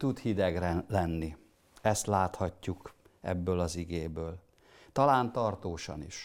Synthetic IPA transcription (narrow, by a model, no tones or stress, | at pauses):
t̪ut̪hid̪ɛɡrɛlɛnːi | ɛst̪laːt̪hɒcːukʔɛ̰bːøːlɒziɡeːbøːl | t̪ɒlaːnt̪ɒrt̪oːʃɒ̰nḭʃ